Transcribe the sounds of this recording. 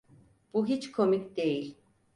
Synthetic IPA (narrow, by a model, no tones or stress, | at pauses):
b̥uɦit͡ʃkʰomikʲd̪ejilʲ